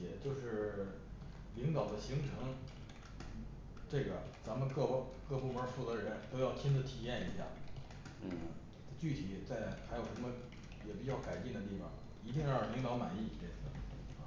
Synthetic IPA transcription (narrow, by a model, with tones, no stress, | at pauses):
ɛ˨˩t͡ɕjo˥˧ʊʂɻ̩˥˩ | li˧˥ŋd̪ɑ˨˩ʊd̪ə˦ɕi˧˥ŋʈ͡ʂʰɤ˧˥ŋ̩˥˩ | ʈ͡ʂɤ˥˩ɡə˩t͡sa˧˥nmə˧kɤ˥˧˥kɤ˥˧pu˥˩mə˞˧˥fu˥˩t͡sɤ˧˥ɻə˧˥nt̪o˥ʊjɑ˥˩ʊt̪ʰi˥nt͡sə˨˩t̪ʰi˨˩jɛ˥˩nḭ˧˥ɕja̰˥˩˧ | t͡ɕy˥˩t̪ʰi˨˩˦t͡sa˥˩ɪxa˧˥ɪjo˨˩ʊʂə˧˥mə˧ | jɛ˨˩p̬i˨˩t͡ɕjɑ˥˩ʊka˨˩ɪt͡ɕi˥˩ŋd̪ə˩t̪̬i˥˩fɑ̰˨˩ŋ | i˧˥t̪i˥˧ŋjɑ˥˩li˧˥ŋd̪ɑ˧˥ʊma̰˨˩ni˥˩e˥˩ɪsɹ̩˥˩˥